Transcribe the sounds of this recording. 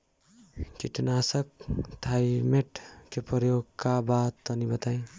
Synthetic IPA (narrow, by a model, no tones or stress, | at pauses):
kiʈnasʌk̚t̪ʰaimeʈkepʌjoɡkabat̪ːʌnibʌt̪aj̃